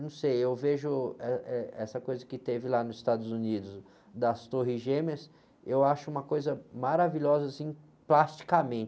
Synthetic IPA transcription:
nɐ̃w̃sejewveʒʊɛɛɛsɐkojzɐkɪt̪evɪlanʊzɪst̪ad̪ʊzunid̪ʊs | d̪ɐst̪oɦiʒẽmes | ewaʃʊũmɐkojzɐmaɾaviʎɔzɐasĩ | plast͡ʃi̥kamẽt͡ʃ

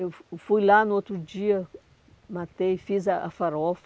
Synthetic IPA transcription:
ewfujlanʊot̪ɾud͡ʒiɐ | mat̪ejfizɐʔa̰faɾɔf

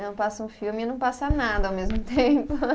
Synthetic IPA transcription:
nɐ̃w̃pasɐũfiwmɪɪnɐ̃w̃pasanad̪ɐawmezmʊt̪ẽmpʊ

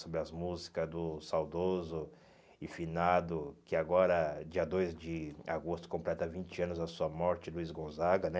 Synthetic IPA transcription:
sobɾɪɐzmuzikɐd̪ʊsawd̪ozʊ | ɪfinad̪ʊkɪaɡɔɾɐd͡ʒiɐd̪ojzd͡ʒɪa̰ɡost̪ʊ̥kõmplɛt̪ɐvĩnt͡ʃɪɐ̃nʊzɐsuɐmɔɾt͡ʃɪluizɡõzaɡɐnɛ

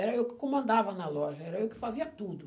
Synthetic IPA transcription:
ɛɾɐewkɪ̥komɐ̃nd̪avɐnɐlɔʒɐɛɾɐewkɪ̥faziɐt̪ud̪ʊ

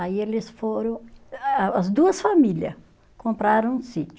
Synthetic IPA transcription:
aielɪsfoɾɐ̃w̃ | ɐzd̪uɐsfamiljɐ | kõmpɾaɾɐ̃w̃ũsit͡ʃʊ

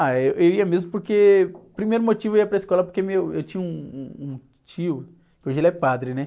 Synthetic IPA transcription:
aewʔewiɐmezmʊpoɾkepɾimejɾʊmot͡ʃivʊwiɐpɾɐiskɔlɐpoɾkemewʊewt͡ʃĩɲɐũũũ | t͡ʃiʊ | kkɪoʒelɛpad̪ɾɪnɛ

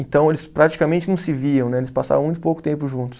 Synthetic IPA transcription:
ẽnt̪ɐ̃w̃elɪspɾat͡ʃi̥kamẽnt͡ʃɪnɐ̃w̃sɪviɐ̃w̃nɛelɪspasa̰vɐ̃w̃mũj̃t̪ʊ̥powkʊ̥t̪ẽmpʊʒũt̪ʊ̥s

